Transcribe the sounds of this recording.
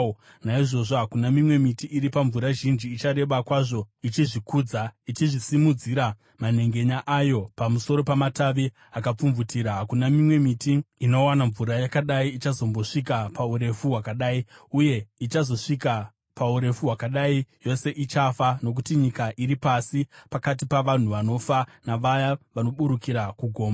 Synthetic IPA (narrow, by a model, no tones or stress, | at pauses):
naiʐo̞ʐoɦakunamimwe̞mitiʔiɾipaɱvuɾaʒind͡ʒiːt͡ʃaɾe̞ʋakwaʐo̞it͡ʃiʐikuːd͡zait͡ʃiʐisimud͡ziɾa | mane̞ŋɡe̞ɲaʔajo̞pamuso̞ɾo̞pamataʋi | akap͡fumvutiɾaɦakunamimwe̞mitiino̞wanaɱvuɾajakaɗaiːt͡ʃazo̞mbo̞ʂikapauɾe̞fuɦwakaɗaːiuje̞it͡ʃazo̞ʂika | pauɾe̞fuɦwakaɗaijo̞se̞ʔit͡ʃafano̞k̬utiɲikaʔiɾipasipakat̬ipaʋan̤uʋano̞fanaʋajaʋano̞ɓuɾukiɾakuɡʱo̞ːmba